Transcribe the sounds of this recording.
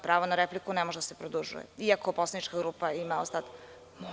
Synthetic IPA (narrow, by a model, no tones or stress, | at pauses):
pɾaːʋonaɾeplikunemoʒed̪asepɾod̪uʒṵjḛiakoposlˠanit͡ʃkaɡɾuːpaimao̰sad̪ | mo